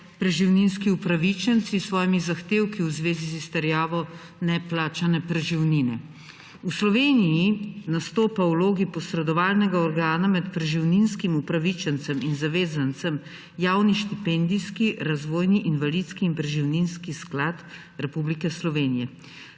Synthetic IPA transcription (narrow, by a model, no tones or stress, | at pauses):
pɾɛʒiwninskiupɾaʋit͡ʃənt̪sisʋɔːjimizaxt̪eːwkiwzʋeːzizist̪ɛɾjaːʋɔ | nɛplaːt͡ʃanɛpɾɛʒiwninɛ | uslɔʋeːnijinast̪oːpawloːɡipɔsɾɛd̪ɔʋaːlnɛɡaɔɾɡaːnamɛt̪pɾɛʒiwninskimupɾaʋit͡ʃɛnt̪sɛminzaʋeːzant̪səm | jaːwniʃt̪ipɛnd̪iskiɾazʋoːjniʔinʋalit̪skiːnpɾɛʒiwninskisklaːt̪ | ɾɛpublikɛslɔʋeːnijɛ